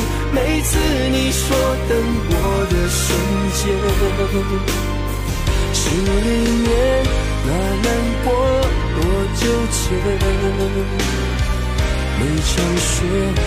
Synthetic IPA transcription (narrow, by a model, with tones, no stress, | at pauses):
me˧˥ɪt͡sʰɹ̩˥˩ | ni˨˩˦ʂwɔ˥t̪ə˧˥ŋkwɔ˧˥ | d̪ə˨ʂə˧˥ŋ | t͡ɕjɛ˧˥ | ʂɻ̩˧˥˧li˥˧˩njɛ˨˧˦n | na˨˧˩na˥˧npwɔ˦ | t̪wɔ˧˥t͡ɕjo˥˧ʊt͡ɕʰjɛ˧˥ | me˨˧˥ɪʈ͡ʂʰɑ˧˩ŋɕɥɛ˧˥